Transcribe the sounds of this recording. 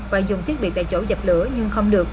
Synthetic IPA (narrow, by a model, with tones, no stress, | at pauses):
vaː˨˩zʊ˨˩ŋ͡mt̪ʰi˦˥t̚ɓi˨˩kt̪a̰ː˧˩jt͡ɕo˧˦zə˨˩p̚lɨ˧˦əɲɨ˧ŋxə˧wŋ͡mɗɨ˨˩ək